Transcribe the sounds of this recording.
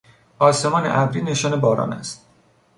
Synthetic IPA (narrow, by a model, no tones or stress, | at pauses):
ɒːse̞mɒːnḛʔæbɾiːne̞ʃɒːnebɒːɾɒ̰ːnæ̰st̪̚